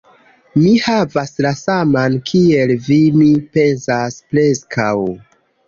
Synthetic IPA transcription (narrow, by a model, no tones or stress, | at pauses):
mihavaslasamankʰie̞lvimipe̞nzaspɾe̞skʰaw